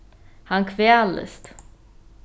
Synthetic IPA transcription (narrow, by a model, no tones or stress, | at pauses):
haŋkʰvealə̰st̪